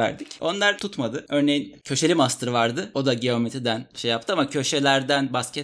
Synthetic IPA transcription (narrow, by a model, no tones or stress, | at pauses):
æ̰ɾd̪ico̞nlˠaɾt̪ʰut̪mad̪ɯø̞ɾne̞jincʰø̞ʃe̞lʲimast̪ʰɯɾɯvaɾd̪ɯo̞d̪aɟeo̞met̪ʰɾid̪ænʃejap̚t̪ʰɯamacʰø̞ʃe̞lʲæɾd̪ænbascʰɛt̪